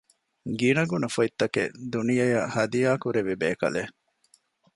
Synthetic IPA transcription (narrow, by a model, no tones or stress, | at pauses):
ɡinɐɡunɐfoit̪ːɐkḛd̪unijɐjɐhɐd̪ijaːkuɾeʋibeːkɐ̰le